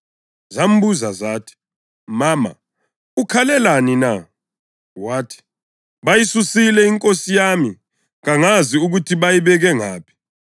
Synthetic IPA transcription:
zam̩buzazaːtʰi̥ | maːma̰ | ukʰalɛlanina | waːtʰi̥ | βajisusilɛiŋkʼosijami | ɣaŋaziuɣutʰiβajiβɛɣɛŋa̰ːpʰi̥

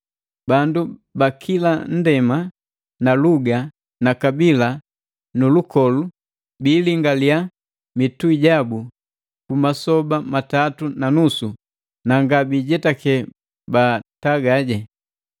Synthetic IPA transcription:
bandubakʰilan̩dɛma | naluɡa | nakabila | nulukɔlu | biːliŋɡalia | mituiɟabu | kumasɔbamatatunanusu | naŋɡabiɟɛtakɛ | bataɡaɟɛ

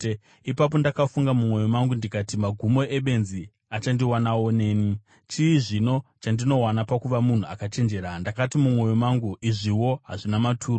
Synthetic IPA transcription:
ipap̬o̞ndakafuŋɡamumwo̞jomaŋɡundikatimaɡʱumo̞ʔe̞ɓe̞nzi | at͡ʃandiwanawo̞neːni | t͡ʃiːʐino̞t͡ʃandino̞wanapakuʋamun̤uakat͡ʃe̞nd͡ʒe̞ɾandakatimumwo̞jomaŋɡuiʐiwo̞ɦaʐinamatʰuːro

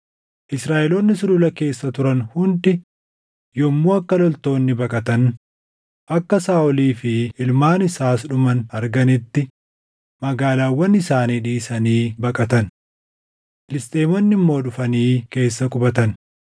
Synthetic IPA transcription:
ʔɪsɾaːʔɛloːnːɪsʊlʊlɐke̞ːsːɐt̪ʊɾɐnhʊnd̪ɪ | jɔmːoːɐkːɐlɔlt̪o̞ːnːɪbɐkʼɐt̪ɐn | ʔɐkːɐsaːʔɔliːfɪɪlmaːnɪsaːsᶑʊmɐnɐɾɡɐnɪt̪ːɪ | mɐɡaːlaːwːɐnːɪsaːniːᶑiːsɐniːbɐkʼɐt̪ɐn | fɪlɪst̪ʼe̞ːmɔnːɪmːo̞ːᶑʊfɐniːke̞ːsːɐkʼʊbɐt̪ɐn

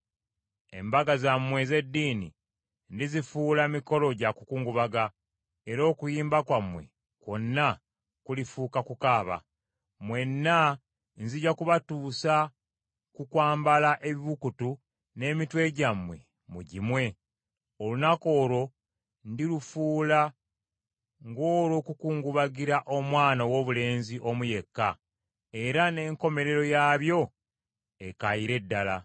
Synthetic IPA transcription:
e̞̰mbaɡazamwe̞ze̞dːiːnḭ | ndizifuːlamiko̞lo̞ɟaku̥kuːŋɡuβaɡa | eɾo̞ːkujiːmbakwamwe̞̰ | ko̞nːa | kulifuːkakukaːβa̰ | mwe̞nːa | nziɟakuβatuːsa | kukwaːmbalaʔe̞βiβukutu | ne̞ːmitwe̞ɟamwe̞ | muɟimwe̞ | olunako̞ːɾo̞ | ndilufuːla | ŋɡo̞ːɾo̞ːkukuːŋɡuβaɡiɾaʔo̞mwaːnawo̞βule̞ːnziʔo̞muje̞kːa | e̞ɾane̞ːŋko̞me̞ɾe̞ɾo̞jaːβjo̞ | e̞kajiɾe̞dːala̰

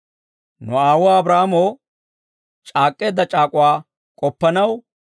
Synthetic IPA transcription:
nʊ̰aːwʊaɐbɾaːmoː | t͡ʃʼaːkʼːeːd̪ːɐt͡ʃʼaːkʼʊwaː | kʼɔpːɐnɐw

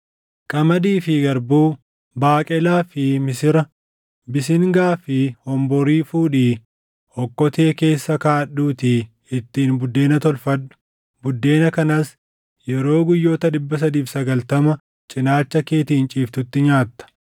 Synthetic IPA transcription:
kʼɐmɐd̪iːfɪɡɐɾbuː | baːkʼɛlaːfɪmɪsɪɾɐ | bɪs̬ɪŋɡaːfɪhɔmbɔɾiːfuːᶑiː | hɔkːɔt̪e̞ːke̞ːsːɐkaːɗuːt̪i | ɪt̪ːiːnbʊd̪ːe̞ːnɐt̪ɔlfɐᶑʊ̥ | bʊd̪ːe̞ːnɐkɐnɐs | jɛɾo̞ːɡʊjːo̞ːt̪ɐd̪ɪbːɐs̬ɐd̪iːfsɐɡɐlt̪ɐmɐ | t͡ʃʼɪnaːt͡ʃːɐke̞ːt̪iːnt͡ʃʼiːft̪ʊt̪ːɪɲaːt̪ːɐ̥

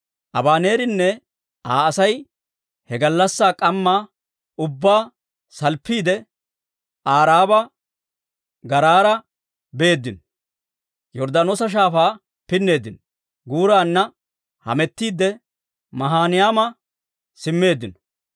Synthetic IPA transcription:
ʔɐbaːne̞ːɾɪnːɛ | ʔaːsɐj | hɛɡɐlːɐsːaːkʼɐmːaː | ʊbːaː | sɐlpːiːd̪ɛ | ʔaːɾaːbɐ | ɡɐɾaːɾɐ | be̞ːd̪ːɪnɔ | jɔɾd̪ɐnoːsɐʃ̬aːfaː | pɪnːe̞ːd̪ɪnɔ | ɡuːɾaːnːɐ | hɐ̰mɛt̪ːiːd̪ɛ | mɐɦaːnɪjaːmɐ | sɪmːe̞ːd̪ːɪnɔ̥

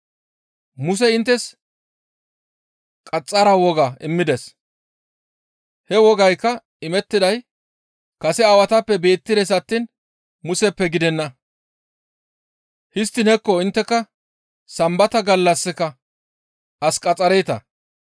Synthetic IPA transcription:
mʊs̬ɛɪnt̪ːɛs | kʼɐt͡sʼːɐɾɐwɔɡɐɪmːɪd̪ɛs | hɛwɔɡɐjkːɐ | ɪmɛt̪ːɪd̪ɐj | kɐsɛɐwɐt̪ɐpːɛbe̞ːt̪ːɪd̪ɛs̬ɐt̪ːiːn | mʊsɛpːɛɡɪd̪ɛnːɐ | hɪst̪ːɪnɛkːɔɪnt̪ːɛkːɐ | sɐmbɐt̪ɐɡɐlːɐsːɪkɐ | ɐskʼɐt͡sʼːɐɾɛjt̪ɐ̰

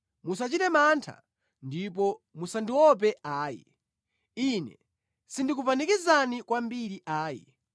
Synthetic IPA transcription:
musat͡ʃitɛmantʰa̰ | ndip̬ɔmusandiwɔp̬ɛaːjɛ̰ | inɛ̰ | sindikupanikizanikwambiɾiʔaːjɛ̰

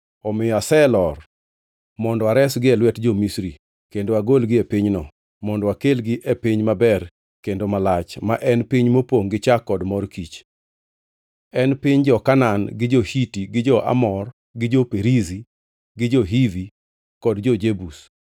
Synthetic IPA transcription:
ɔmɪjɔasɛlɔr | mɔndɔwaɾɛsɡɪɛlwɛtd͡ʒɔmisɾi | kendoaɡolɡɪepɪɲnɔ | mɔndɔwakelɡɪʔepɪɲmabɛr | kendomalat͡ʃmaʔɛnpiɲmopoŋɡɪt͡ʃakːɔdmɔrkit͡ʃ | ɛnpɪɲd͡ʒɔkananɡɪd͡ʒɔhitiɡɪd͡ʒɔʔa̰mɔr | ɡɪd͡ʒopeɾizi | ɡɪd͡ʒɔɦivi | kɔdd͡ʒɔd͡ʒebus

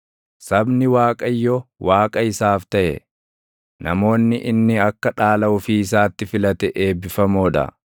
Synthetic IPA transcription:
sɐbnɪwaːkʼɐjːɔwaːkʼɐɪsaːft̪ɐʔɛ̰ | nɐmo̞ːnːɪʔɪnːɪɐkːɐᶑaːlɐʊfiːs̬aːt̪ːɪfɪlɐt̪ɛʔeːbːɪfɐmoːᶑɐ̰

